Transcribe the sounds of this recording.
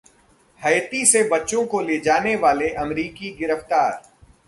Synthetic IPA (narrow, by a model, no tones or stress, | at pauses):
hɐjt̪isebɐtːʃõkoleːd͡ʒaːneʋaːleʔɐmɾiːkiɡɪɾəft̪aːɾ